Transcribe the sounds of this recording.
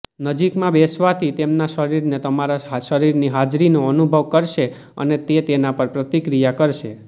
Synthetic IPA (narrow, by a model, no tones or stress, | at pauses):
nəd͡ʒikmãbesʋat̪ʰit̪emnaʃəɾiɾnet̪əmaɾaʃəɾiɾniɦad͡ʒɾinoənubʱəʋkəɾʃe | ə̰net̪et̪enapəɾpɾət̪ikɾijakəɾʃe